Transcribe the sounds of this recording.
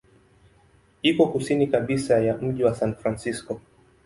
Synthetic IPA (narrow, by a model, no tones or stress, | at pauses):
ikɔkusinikaɓisajam̩ʄiwasanfɾansiskɔ